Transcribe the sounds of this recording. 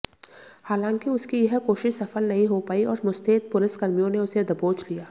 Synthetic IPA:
haːlãːŋkiʊskijɐɦkoːʃɪʃsɐfəlnɐɦĩɦopaːiɔːɾmʊst̪eːt̪̚pʊlɪskɐɾmijõneʊsed̪ɐboːt͡ʃlijaː

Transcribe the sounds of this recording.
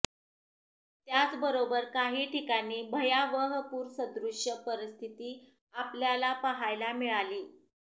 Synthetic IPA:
t̪jat͡sbəɾobəɾkaɦiːʈʰikañiːbʱəjaʋəɦəpuːɾsəd̪ɾuʂjəpəɾist̪ʰit̪iː | apljalapaɦajlamiɭaliː

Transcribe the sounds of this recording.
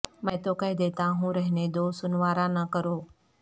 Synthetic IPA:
mə̃t̪oːkəɦɪd̪eːt̪ãːɦũːɾəɦneːd̪oːsʊnʋaːɾãːnəkəɾoː

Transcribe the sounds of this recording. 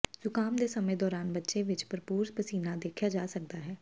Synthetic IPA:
sʊkaːmd̪eːsəmẽd̪ɔːɾaːnbətːʃẽʋɪt͡ʃpəɾpuːɾspəsiːnãd̪eːkʰjad͡ʒaːsək̚d̪aːɦɛː

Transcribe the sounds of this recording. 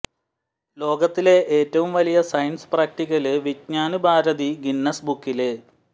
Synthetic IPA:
lo̞ːɡɐt̪ːile̞ʔeːtːɐʋumʋɐlijɐsɐjnspraːk̚ʈiɣɐlɨʋitɲaːnubʱaːɾɐðiɡinːɐsbukːile

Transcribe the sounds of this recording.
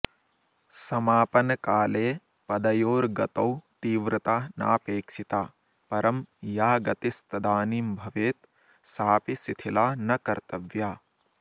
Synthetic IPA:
sɐmaːpɐnɐkaːleː | pɐd̪ɐjoːɾɡɐt̪ɐwt̪iːʋɾɨt̪aːna̰ːpeːkʃit̪aː | pɐɾɐmjaːɡɐt̪ist̪ɐd̪aːniːmbʱɐʋeːt̪ | saːpisit̪ʰilaːnɐkɐɾt̪ɐʋjaː

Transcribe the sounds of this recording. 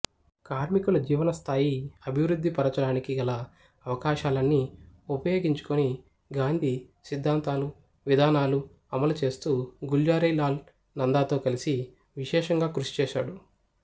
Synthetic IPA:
kaːɾmikulɐd͡ʒiːʋɐnɐst̪ʰaːjiɐbʱiʋɾud̪ʱːipɐɾɐt͡ʃɐɽaːnikiɡɐlɐː | ʋɐkaːʃaːlɐnːiupɐjo̞ːɡiɲt͡ʃu̥koni | ɡaːnd̪ʱisid̪ʱːaːnt̪aːlu | ʋid̪ʱaːnaːlu | ɐmɐlut͡ʃe̞ːst̪uːɡuld͡ʒaːɾɐjlaːl | nɐnd̪aːt̪o̞ːkɐlisi | ʋiʃɛːʃɐŋɡaːkɾuʃi̥t͡ʃɛːʃa̰ːɽu

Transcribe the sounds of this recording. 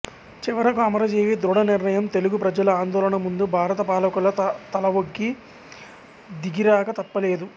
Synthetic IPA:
t͡ʃiʋɐɾɐkuɐmɐɾɐd͡ʒeːʋid̪ɾuɽɐniɾnɐjɐmt̪e̞luɡupɾɐd͡ʒɐlɐaːnd̪ɔːlɐɳɐmund̪ubʱaːɾɐt̪ɐpaːlɐkulɐt̪ɐlɐʋoɡːi | d̪iɡiɾaːkɐt̪ɐpːɐle̞ːd̪u

